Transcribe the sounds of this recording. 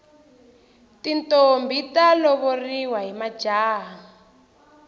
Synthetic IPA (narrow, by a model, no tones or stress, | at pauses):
tintombitalɔβɔriwaɦimḁd͡ʒaːɦa